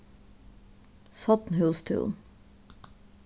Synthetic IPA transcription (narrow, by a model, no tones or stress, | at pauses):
sɔt̪n̩hʉːst̪ʰʉ̰ːn